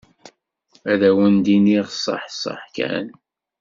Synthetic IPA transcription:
æðæwənd̪iniʁsˤə̰ħsˤə̰ħkæ̰n

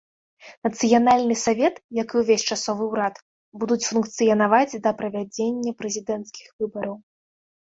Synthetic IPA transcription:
nɐt̪sɨjanalʲnɨsavʲɛt̪jakɨwvʲesʲt͡ʂasɔvɨwɾat̪ | bud̪ut͡sʲfunkt̪sɨjɐnavad͡zʲd̪ɐpɾɐvʲad͡zʲenʲːɐpɾɛzʲid̪ɛnt̪skʲixvɨbɐɾɐw

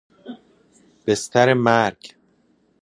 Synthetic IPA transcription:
b̥est̪ʰæɾemæɾɡ

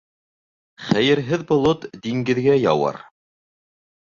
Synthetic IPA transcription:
χæjɘ̆ɾɦɘðbŏlˠot̪d̪iŋɡɘ̆ðɡæjɑ̰wɑ̰ɾ

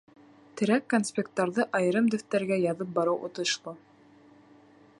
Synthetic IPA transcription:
t̪ɘ̆ɾækːonspʲek̚t̪ɑɾðɤʔɑjɤ̆ɾɤmd̪ɵ̆ft̪æɾɡæjɑðɤp̚bɑɾɤwʔŏ̰t̪ɤ̆ʃlˠɤ

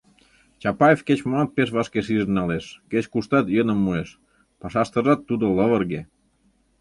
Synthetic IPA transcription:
t͡ɕɑpɑjefket͡ɕmoɑt̪̚peʃ̬βɑʃkeʃ̬iʒənnɑleʃket͡ɕkuʃt̪ɑt̪jənəmːueʃ | pɑʃɑʃt̪ə̆ʒɑt̪ːud̪oləβərɣe

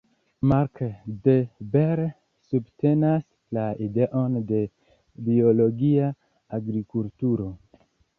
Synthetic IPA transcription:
maɾkdebeɾ | subte̞nas | laide̞ʔo̞nde̞ | bio̞lo̞ɡiaː | ɡɾikultuɾo̞

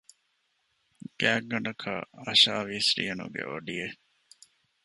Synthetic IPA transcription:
ɡ̥æːɡːɐɳɐkʰa̰ɐʃaːʋiːsɾḭɐnṵɡḛʔoɖie

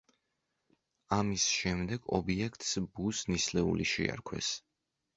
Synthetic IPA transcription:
amisʃɛmd̪ɛɡ̥ɔ̰biɛkʰt̪sbusnislɛṵliʃḭa̰ɾkʰwɛ̰s

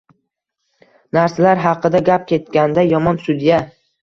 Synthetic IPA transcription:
naɾsalaɾɦɑqɨd̪aɡʲap̚kʲʰe̞t̪kʲand̪ajɒmɒnsʊd̪ija

